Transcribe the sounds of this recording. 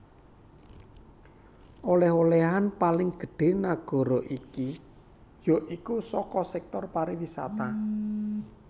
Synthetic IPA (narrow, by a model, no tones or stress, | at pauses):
ʔolɛɦolɛɦanpalɪŋɡ̥ə̤ɖ̥e̤naɡ̥ɔ̤ɾɔʔiki | jɔ̤ʔikusɔkɔsɛk̚t̪ɔrpaɾiwisa̰t̪a